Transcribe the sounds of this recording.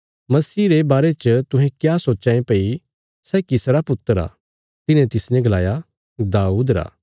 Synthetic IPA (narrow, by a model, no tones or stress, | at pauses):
mɐsiːɾebaːɾet͡ʃət̪ʊ̃ɦɛ̃kjaːsoːt͡ʃãːẽpɐi | sɛːkɪsɾapʊt̪ːəɾa̰ː | t̪ɪnẽt̪ɪsnɛ̃ɡɐlaːja | d̪aːuːd̪ɾa̰ː